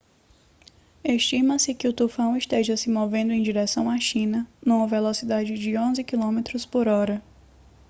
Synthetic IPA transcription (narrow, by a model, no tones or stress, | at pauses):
eʃt͡ʃĩmɐsɪkɪʊt̪ufɐ̃w̃ɪʃt̪eʒɐsɪmovẽnd̪ʊẽj̃d͡ʒiɾɛsɐ̃w̃aʃĩnɐnũmɐvelosid̪ad͡ʒɪd͡ʒɪõzɪkilõmet̪ɾʊspoɾɔɾɐ